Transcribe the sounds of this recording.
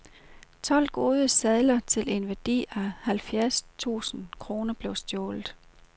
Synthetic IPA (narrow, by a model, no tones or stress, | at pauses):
t͡sʰɒ̽l̰ɡ̥o̝ːð̞ˠəsɛðˠlɐt͡sʰe̝le̝nʋæɐd̥ḭːæhælfjæɐst͡sʰṵːsn̩kʰʁo̝ːnɐb̥le̝ʊsd̥jɔːlð̩ˠ